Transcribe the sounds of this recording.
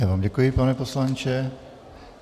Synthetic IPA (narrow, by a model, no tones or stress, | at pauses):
avaːmɟɛkujɪpanɛposlant͡ʃɛ